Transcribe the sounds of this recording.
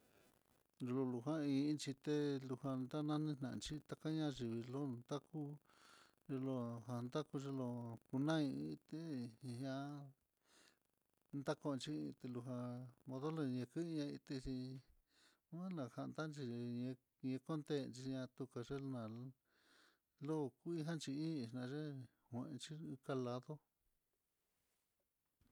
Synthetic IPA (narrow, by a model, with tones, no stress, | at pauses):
lu˧lo˧lu˧ɦã˦ĩ˧˦nt͡ʃi˧t̪e˦lu˧ha˧nd̪a˦nã˦nĩ˦n̥ã˨˧nt͡ʃi˦t̪a˧ka˦ɲã˦˧ʒi˨βi˧lo˦nd̪a˦ku˦ | ʐe˧lo˧ɦa˧nd̪a˦ku˧ʐe˧lo˧ku˧nã˦ĩ˧ĩ˧t̪e˦˧ɲã˧˦ | nd̪a˦kõ˧t͡ʃi˦˧t̪e˧lu˧ɦã˧mõ˧ðo˦le˧ɲẽ˧kɨ˦˧ɲã˧i˧t̪e˧t͡ʃi˧ | ã˦lã˧˨ha˧nd̪a˦nt͡ʃi˧ɲẽ˧ | ɲẽ˧ko˦nd̪e˦˨˧nt͡ʃi˧ɲã˧t̪u˧ka˧ʐe˦˧nã˨ | lo˦˧ku˦i˧˦ɦã˦nt͡ʃi˧ĩ˦˧˨nã˧ʐe˦ | hʷẽ˧ʔnt͡ʃi˦˧ka˧la˧ðo˦